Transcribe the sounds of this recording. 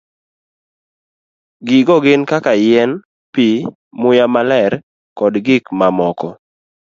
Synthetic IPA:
ɡɪɡɔɡɪnkakajɛn | pi | mʊjamalɛɾ | kɔdɡɪkmamɔkɔ

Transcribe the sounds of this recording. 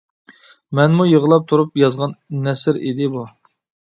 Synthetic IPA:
mɛnmujəʁlˠɑp̚t̪ʰuɾupjɑzʁɑnnɛsɪɾḭd̪ɪbu

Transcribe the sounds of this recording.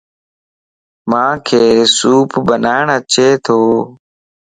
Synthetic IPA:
mãːkʰeːsuːpbənaːɪɳət͡ʃeːt̪ʰoː

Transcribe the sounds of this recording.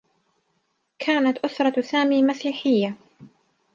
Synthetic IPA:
kʰaːnat̪ʔʊsɾˤɑsaːmiːmasiːħɪjːa

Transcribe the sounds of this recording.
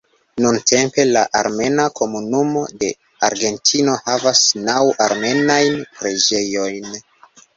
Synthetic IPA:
nuntʰe̞mpe̞laʔaɾme̞nakʰo̞munumo̞de̞ | aɾɡe̞ntʰino̞havasnawʔaɾme̞najnpɾe̞d͡ʒe̞jo̞jn

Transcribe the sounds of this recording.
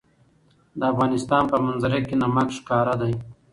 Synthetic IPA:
d̪əafɣɑːnɪst̪ɑːnpəmanzaɾekenamakʃkɑːɾad̪aj

